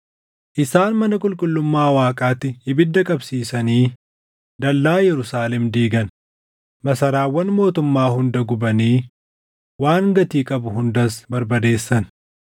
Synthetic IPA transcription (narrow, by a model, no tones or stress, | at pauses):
ʔɪsaːnmɐnɐkʼʊlkʼʊlːʊmːaːwaːkʼaːt̪ːɪhɪbɪd̪ːɐkʼɐbsiːsɐniː | d̪ɐlːaːjɛɾʊsaːlɛmd̪iːɡɐn | mɐsɐɾaːwːɐnmo̞ːt̪ʊmːaːhʊnd̪ɐɡʊbɐniː | waːŋɡɐt̪iːkʼɐbʊhʊnd̪ɐsbɐɾbɐd̪e̞ːsːɐn